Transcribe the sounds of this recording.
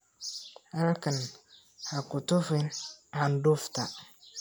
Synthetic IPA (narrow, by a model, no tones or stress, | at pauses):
halkan | hakʊtɔfɪnandʊfta